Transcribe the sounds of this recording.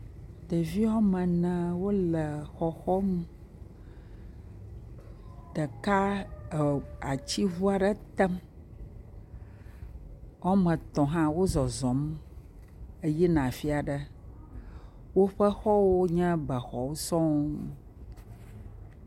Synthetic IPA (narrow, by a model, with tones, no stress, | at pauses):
d̪ə˨vi˦wɔ˦mɛ̃˨nɛ̃˨wo˦lə˨xɔ˨xɔ˦m˦ | ɖ̥ə˨ka˦˨ | a˨t͡ɕi˦vu˦a˨ɖə˦t̪ɛ˦m | ɔ˦mə̃˨t̪ɔ̃˨ɦã˦wo˦zɔ˨zɔ̃˨˦m | e˦jɛ˦nã˨fi˦a˨ɖə˦ | wo˦ɸə˦xɔ˦wo˦ɲɛ̃˦bə˨xɔ̰˨wo˦sɔ̃˦